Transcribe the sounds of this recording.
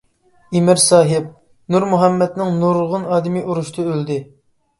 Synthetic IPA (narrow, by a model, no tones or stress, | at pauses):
imɪɾsɑːɦɪp̚ | nuɾmuɦɛmːɛd̪nɪŋnuɾʁʊnɑːd̪ɪmijʔuɾuʃt̪ʰɨøld̪ɪ